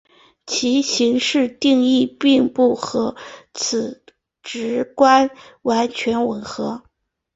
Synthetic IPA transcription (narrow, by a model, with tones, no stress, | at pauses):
t͡ɕʰi˧˥ɕi˧˥ŋʂɻ̩˥˧t̪i˥˧ŋi˥˧pi˥˧ŋpu˥˩xɤ˧˥t͡s̩ʰ˨˩ | ʈ͡ʂɻ̩˧˥kwa˥nwa˧˥nt͡ɕʰɥɛ˧˥nwə˧˥nxɤ˧˥